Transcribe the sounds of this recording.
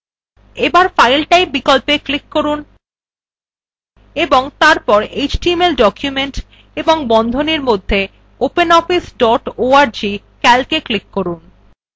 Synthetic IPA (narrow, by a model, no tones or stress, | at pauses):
ebaɾfajlʈajbikɔlpeklikːoɾun | eboŋt̪aɾpɔɾed͡ʑʈiemelɖɔkjumeɳʈ | eboŋbɔnd̪ʱoneɾmod̪ʱːe | openɔfisɖɔʈoaɾd͡ʑi | kɛlkeklikːoɾun